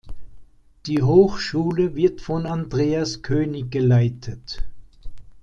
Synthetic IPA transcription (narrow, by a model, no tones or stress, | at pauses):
d̥iːɦoːxʃuːləvɪɐtfɔnandʁeːaskʰøːnɪçɡ̥əlaɪtʰət